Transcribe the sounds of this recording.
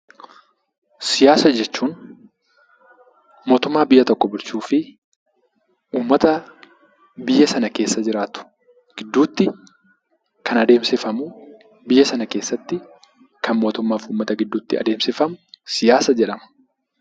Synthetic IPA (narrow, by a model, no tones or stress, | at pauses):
sɪjaːsɐd͡ʒɛt͡ʃːuːn | mo̞ːt̪ʊmːaːbɪjːɐt̪ɔkːɔbɪɾt͡ʃuːfɪ | ʔuːmːɐt̪ɐ | bɪjːɐsɐnɐke̞ːsːɐd͡ʒɪɾaːt̪ʊ̥ | ɡ̥ɪd̪ːuːt̪ːɪ | kʰɐnɐd̪e̞ːmsɪfɐmʊ | bɪjːɐsɐnɐkeːsːɐt̪ːɪ | kɐnmo̞ːt̪ʊmːaːfuːmːɐt̪ɐɡɪd̪ːuːt̪ːɪɐ̰d̪eːmsɪfɐmʊsɪjaːsɐd͡ʒɛᶑɐmɐ̥